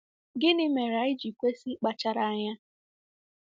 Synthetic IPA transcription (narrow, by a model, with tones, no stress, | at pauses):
ɡɪ˦nɪ˦me˨ɾa˨˦ɪ˦d͡ʒi˨kʷe˦si˦k͡pa˨t͡ʃa˦ɾa˨a˦ɲa˦